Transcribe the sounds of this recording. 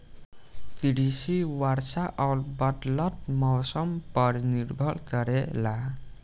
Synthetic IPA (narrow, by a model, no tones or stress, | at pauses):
t̪iɽisiwaɾsaʔaɾbʌʈlʌt̪̚mɔwsʌmpʌɾniɾbʱʌlkʌɾela